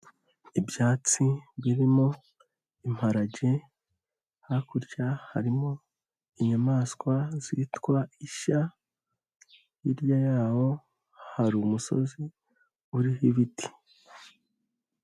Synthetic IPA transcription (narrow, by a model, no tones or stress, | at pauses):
ibjaːt͡siβiɾimo̞ | im̥haɾaɟe̞ | hakuɾɟahaɾimo̞ | iɲamaːskwaziːtwaiʃa | jiɾjajaːho̞ | haɾumuso̞̰zi | uɾihiβiti̥